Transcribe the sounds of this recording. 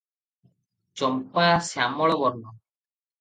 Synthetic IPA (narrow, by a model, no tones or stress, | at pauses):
t͡ʃɔmpasjamɔɭɔbɔɾnɔ